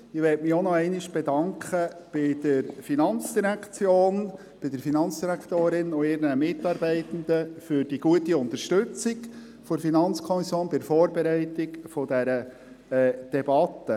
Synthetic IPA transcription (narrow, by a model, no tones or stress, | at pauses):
ɪʋɛtmɪɔnɔɛɪnɪʃb̥ɛdɑŋkʰχəb̥ɪd̪̥əɾfinɑnt͡sd̥̪iɾækt͡sjoːn | b̥ɪd̪əɾfinɑnt͡sd̥iɾækʰt̪oːɾɪnʊɪɾnəmɪt̪ːɑɾbɛɪt̪ən̩d̪əfʏɾd̥iɡ̥uətiʊnt̪əɾʃtɵt͡sɪɡ | fɔɾfinɑnt͡skʰɔmisjoːnbɪɾfɔːɾbɛɾɛɪtɪkfɔd̪æɾə | ɛːd̥ɛbɑt̪ːə